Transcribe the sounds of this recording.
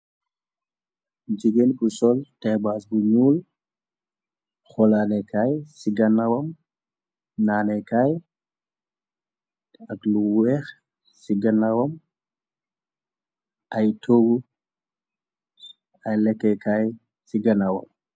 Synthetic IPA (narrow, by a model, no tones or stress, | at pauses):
d͡ʒiɡenbusɔltɛjbaːs̬buɲuːl | xɔlanɛkʰajsiɡɐnːawɐm | naːnɛkaj | ɐkluwɛːx | siɡɐnːawɐm | ʔajtʰoɡu | ɐjlɛkːɛkaj | siɡɐnawɐ̰m